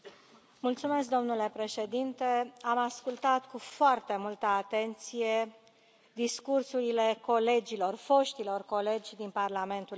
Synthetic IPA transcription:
mult̪sume̞sk̚d̪o̞mnule̞pɾe̞ʃe̞d̪int̪e̞amaskult̪at̪kufoart̪e̞mult̪əat̪e̞nt̪sije̞ | d̪iskursuɾile̞ko̞le̞d͡ʒilo̞rfo̞ʃt̪ilo̞rko̞le̞d͡ʒʲd̪inparlame̞nt̪ul

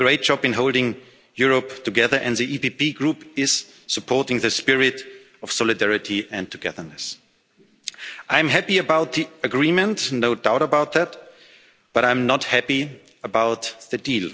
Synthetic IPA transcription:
ɡ̥ɹeɪt̚d̥ɑbɨ̃nɦoʊlˠdɪ̃ŋ | jʊɹɔp̚tʰɨɡɛðə˞ʔɨ̃ndðiʔipipiɡɹupɪz̥ | sɨpʰɔɹtɪ̃ŋðɨspɪɹɪt | ʌfsɔlɨdɛɹɪtʰiɨ̃ntʰɨɡɛðə˞nɨs | ʔãɪ̃mɦæpiɨbaʊt̪̚ðiɨɡɹĩmɨ̃ntnoʊdaʊɾəbaʊt̪̚ðæt̚ | b̥ʌɾãɪ̃mnəthæpi | əbaʊt̪̚ðɨdiːl

